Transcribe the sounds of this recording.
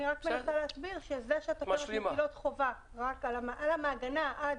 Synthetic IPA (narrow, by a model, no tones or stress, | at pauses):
niʁakmmeaχaleːsbiʁʃezeʃeat̪aeilot̪χo̞va | ʁakalamʔalamaːɡanaʔad